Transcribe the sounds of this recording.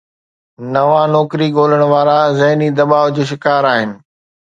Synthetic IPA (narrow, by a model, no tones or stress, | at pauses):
nɐʋãnɔːkɾiɠoːləɽ̃ʊʋaːɾazɐɦnid̪ɐɓaːʋd͡ʑoːʃ̬ɪkaːɾaːɦɪnɪ̆